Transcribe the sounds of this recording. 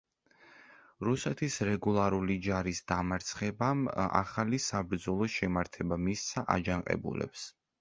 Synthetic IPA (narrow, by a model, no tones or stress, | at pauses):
ɾusɛt̪ʰisɾɛɡulˠaɾulid͡ʒaɾisd̪̥amaɾt̪sʰχɛbama̰χalisabɾd̪zɔlˠɔʃɛmaɾt̪ʰɛbamissaʔa̰d͡ʒaŋqʼɛ̰bṵlɛ̰ps